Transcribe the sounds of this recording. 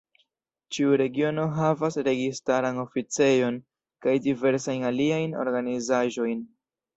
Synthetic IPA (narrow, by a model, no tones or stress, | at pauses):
t͡ʃiuɾe̞ɡio̞no̞ɦavasɾe̞ɡistaɾano̞fit͡se̞jo̞n | kajdive̞ɾsajnaliajno̞̰ɾɡanizaʒo̞jn